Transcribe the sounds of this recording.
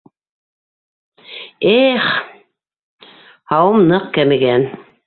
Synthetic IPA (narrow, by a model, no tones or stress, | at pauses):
eχ | hɑwɤ̆mnɤq̚kæmɘ̆ɡæn